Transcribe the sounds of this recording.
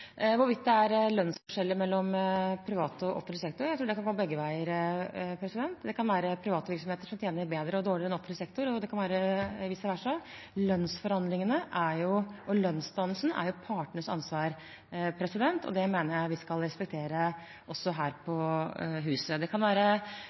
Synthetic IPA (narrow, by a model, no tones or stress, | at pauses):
ʋʊɾʋɪt̪̚ːd̪ɛæɾlœnsfɔʂɛlːəmɛlːɔmpʰɾɪʋɑːt̪ɔʔɔ̰fənsɛk̚t̪ʊɾjæɪt̪ʰɾuːɖɛkɑnɡɔmːəbɛɡːəʋæɪəɾpʰɾɛsɪd̪ɛnt̪d̪ɛkʰɑnʋæːɾəpʰɾɪʋɑːt̪ʋɪɾksɔmheːt̪əʂɔmt̪ʰjeːnəɾbeːd̪ɾəɔd̪oːɭɪɾɛnɔfənəsɛk̚t̪ʊɾɔd̪ɛkɑnʋæːɾəʋɪsd̪ɛʋæːʂɔ | lœnsfɔɾhɑnd̪lɪŋənəʔæɾjʊʔɔlœnsd̪ɑnəlsnæ̰ɾjʊpʰɑːʈɳəsɑ̰nsʋɑːɾ | pʰɾɛsɪd̪ɛnt̪ʰɔ̰d̪ɛmeːnəɾjæɪʋɪskɑlɾɛspɛk̚t̪ʰeːɾə | ʔɔsːɔɦæːɾpʰɔɦʉːsəd̪ɛkʰɑnʋæːɾə